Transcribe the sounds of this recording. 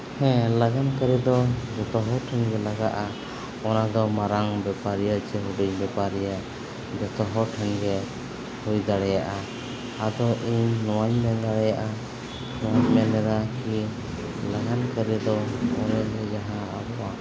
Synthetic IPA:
hɛ̃laɡankəɾɛd̪ɔd͡ʒɔt̪ɔɦɔʈʰɛnɡɛlaɡaʔa | ɔnad̪ɔmaɾaŋbɛpaɾijat͡ʃɛɦuɖiɲbɛpaɾija | d͡ʒɔt̪ɔɦɔʈʰɛnɡɛ | hujd̪aɽɛjaʔa | ad̪ɔʔiɲːɔwaɲmɛd̪aɽɛjaʔa | ɔwaɲmɛnɛɾaki | laɡankəɾɛd̪ɔɔnɛʔɦɛd͡ʒaɦãabɔʔa

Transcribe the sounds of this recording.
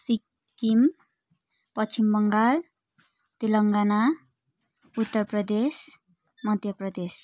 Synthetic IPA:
si | kim | pʌt͡ʃʰimbʌŋɡal | t̪iləŋɡana | ut̪ːəɾpɾəd̪es | mʌd̪ʱjəpɾəd̪es

